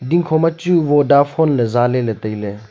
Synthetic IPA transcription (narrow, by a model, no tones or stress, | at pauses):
d̪ĩŋkʰomɐt͡ʃuʋoɖaːfʰoːnlezaːlelet̪əile